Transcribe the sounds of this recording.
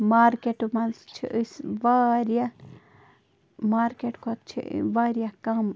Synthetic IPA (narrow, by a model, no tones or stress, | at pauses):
maːɾkeʈmɐnst͡ʃʰḭʔəsʋaɾija | maːɾkeːʈkot̪t͡ʃʰḭʋaːɾjakɐm